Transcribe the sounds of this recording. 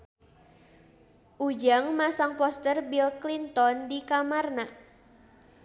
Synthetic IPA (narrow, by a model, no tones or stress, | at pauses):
ʔud͡ʒaŋmasaŋpɔst̪ərbilklint̪ɔndikamarna